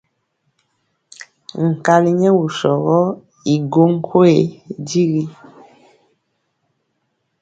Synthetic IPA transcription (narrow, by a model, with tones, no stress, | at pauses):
ŋ̩˨ka˨li˦ɲɛ˦wu˨ʃɔ˨ɣɔ˦ | i˨ɡo˦ŋ̩˦kʰo˦e˨di˦ɣi˦